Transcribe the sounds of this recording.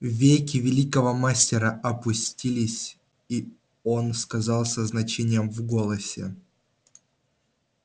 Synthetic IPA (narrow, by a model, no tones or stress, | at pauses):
vʲejkʲɪvʲɪlʲikəvəmasʲtʲɪɾəʔɐpʊsʲtʲilʲɪsʲ | i | o̞nskɐzɑlˠsʲəznɐt͡ɕenʲɪjəmvɡolˠəsʲɪ̰